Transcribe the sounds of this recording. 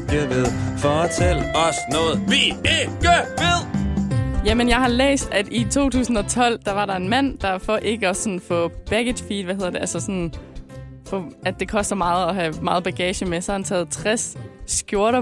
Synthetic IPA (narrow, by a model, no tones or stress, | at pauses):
ɡ̥eɐʋeðˠfɒt͡sʰel̰ɒsnɔ̽ːð̩ˠʋieɡ̥əʋeðˠ | jæmənjɑ̈ɪhɑ̈lḛːsd̥æd̥it͡sʰo̝̰ːt͡sʰṵːsn̩ɒ̽t͡sʰɒ̽l̰d̥ɑ̈ʋɑ̈ɾɑ̈e̝nmæn̰d̥ɑ̈fɒ̽ʔe̝ɡ̥əɒ̽sɒ̽nfɔ̽b̥æɡ̥ed̥fiːd̥ʋæhe̝ð̰ˠɐde̝ʔælsɐsɒ̽n | fɔæd̥ːe̝kʰɒ̽sd̥ɐmɑ̈ːð̩ˠɒ̽ɦæmɑ̈ːð̩ˠb̥æɡ̥ɛːɕəmesɒhhænt͡sʰɛːð̞̩ˠt͡sʰʁassɡ̥jo̝ɐɾɐ